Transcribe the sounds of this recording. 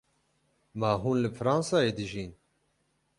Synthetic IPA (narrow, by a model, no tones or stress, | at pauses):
maːɦuːnlɨfɾɑːnsɑːeːd̪ɨʒiːn